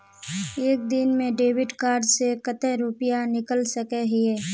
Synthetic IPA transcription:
eːk̚d̪ɪnmẽɖeːwɪɖkaːɾɖsekət̪ɛɾupɪjanɪkəlsəkeɦɪeː

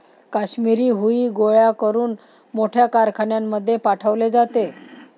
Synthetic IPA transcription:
kaɕmiɾiːɦuiːɡoɭjakəɾuːn | moʈʰjakaɾkʰaɳjamːəd̪ʱːjepaʈʰəʋled͡zat̪e

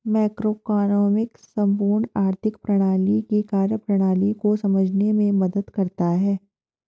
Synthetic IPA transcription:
mɛːkɾoːkaːnoːmɪksɐ̃mpuːɾɳaːɾt̪ʰɪkpɾɐɽ̃aːlikikaːɾjəpɾɐɽ̃aːlikosɐməd͡ʒʱnemẽmɐd̪əd̪kɐɾt̪aɦɛː

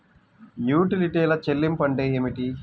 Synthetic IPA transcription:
njuːʈiliʈeːlɐt͡ʃelːimpɐɳɖeːeːmiʈi

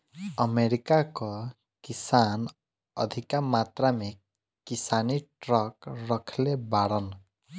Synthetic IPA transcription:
əmeɾikakɔ | kisan | ʌ̰d̪ʱikamat̪ɾame | kisaniʈɾɔkɾɔkʰlebaɽɔn

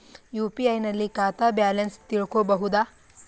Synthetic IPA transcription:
juːpiɐjnɐlːikaːt̪aːbjaːlenst̪iɭkoːbɐɦud̪aː

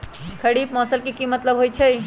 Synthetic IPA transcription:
kʰəɽip̚mɔsəlkikimət̪ləbɦojt͡ʃʰəj

